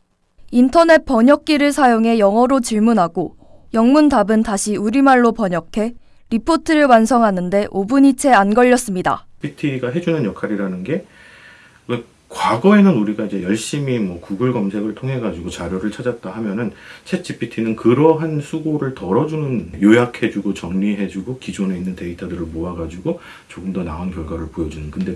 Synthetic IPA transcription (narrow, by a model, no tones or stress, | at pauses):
intʰʌne̞t̚p͈ʌɲʌk̚k͈iɾɯɭsʰajoŋɦe̞jʌŋɦʌɾot͡ɕiɭmunɦaɡo | jʌŋmundabɯntaɕʰiuɾimaɭːopʌɲʌkʰe̞ | ɾipʰotʰɯɾɯɭwansʰʌŋɦanɯnde̞ʔobuɲit͡ɕʰe̞anɡʌʎːʌs͈ɯmɲida̰pʰitʰiɡaɦe̞d͡ʑunɯnjʌkʰaɾiɾanɯnɡe̞ | we | kwaɡʌe̞nɯnuɾiɡaid͡ʑe̞jʌɭɕ͈imimwʌkuɡɯɭɡʌmsʰeɡɯɭtʰoŋɦe̞ɡad͡ʑiɡot͡ɕaɾjoɾɯɭt͡ɕʰad͡ʑat̚t͈aɦamjʌnɯnt͡ɕʰet̚t͡ɕʰipʰitʰinɯnkɯɾʌɦansʰuɡoɾɯɭtʌɾʌd͡ʑunɯnjojakʰe̞d͡ʑuɡot͡ɕʌŋɲiɦe̞d͡ʑuɡokid͡ʑone̞inːɯnte̞itʰadɯɾɯɭmoaɡad͡ʑiɡo | t͡ɕoɡɯmdʌnaonkjʌɭɡwaɾɯɭpojʌd͡ʑunɯnkɯnde̞